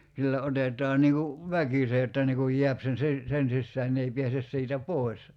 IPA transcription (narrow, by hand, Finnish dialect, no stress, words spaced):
silːæ otetˑɑː niːŋ ku ʋækise etːæ niː kuj je̝æp sen̞ si sen sisːæːn ne ei piæses siːtæ poˑi̞s